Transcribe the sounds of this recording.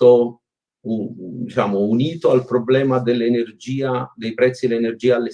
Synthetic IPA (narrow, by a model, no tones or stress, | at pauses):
o | ud̪it͡ʃaːmʊuniːt̪oalpɾoblɛːmad̪elːenerd͡ʒiːad̪ejpɾɛt̪sːielenerd͡ʒiːaːlːe